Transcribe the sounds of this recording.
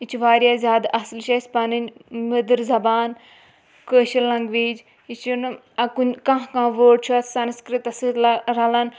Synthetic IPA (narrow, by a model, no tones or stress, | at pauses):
it͡ʃʰuʋaːɾjaːzʲjaːd̪ɐslʃɐsʲpɐnɨnʲmɨd̪ɨɾzɐbaːn | kəːʃilɐ̃ŋɡʋiːd͡ʒ | it͡ʃʰun | ɐkunʲkɐ̃ɦkãːʋoːɽ̚t͡ʃʰuɐt̪ʰsɐnskɾɨt̪ɐsɨlɾɐlɐn